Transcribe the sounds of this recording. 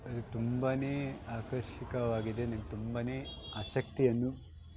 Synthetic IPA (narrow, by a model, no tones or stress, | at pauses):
ɐd̪ut̪umbɐneːaːkɐɾʃikɐʋaːɡid̪e̞nɐnɡet̪umbɐneːaːʃɐk̚t̪ijɐnːu